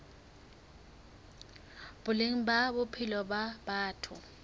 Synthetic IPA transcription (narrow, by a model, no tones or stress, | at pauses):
b̥ʊleŋ̩babʊpʰɪlɔbabaːtʰʊ